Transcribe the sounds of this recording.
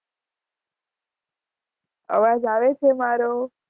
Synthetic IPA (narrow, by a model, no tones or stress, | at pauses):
ə̰ʋad͡ʒaʋet͡ʃʰemaɾo